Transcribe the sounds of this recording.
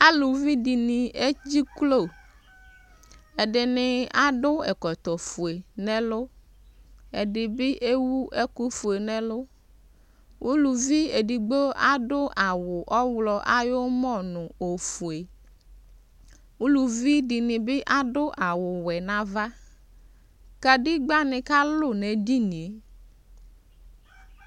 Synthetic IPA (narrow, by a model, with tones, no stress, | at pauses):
a˦lu˨vi˦ɖi˨nĩ˨e˦d͡ʑi˦klo˦˨ | e˨ɖɪ˨nɪ˨a˦ɖʊ˦ɛ̰˨kɔ˨t̪ɔ˨fu˨e˨nɛ̃˦lʊ˦ | e˨ɖɪ˨bɪ˦ʔe˦wu˦ʔe˦ku˦fu˨e˨nɛ̃˦lʊ˦ | wʔu˦lu˨vi˦e˨ɖi˨ɡ͡bo˦ʔa˦ɖʊ˦ʔa˨wʊ˨ʔɔ˦wlɔ˨ʔa˦jo˦mɔ˦˨nʊ̃˨o˨fu˨e˨ | u˦lu˨vi˦dɪ˨nɪ̃˨bɪ˦ʔa˦ɖʊ˦ʔa˨wʊ˨wɛ˨nã˨va˦ | ka˨dɪ˦ɡ͡ba˦nɪ̃˨ka˦lʊ˦˨nɛ˨di˦nĩ˨e˨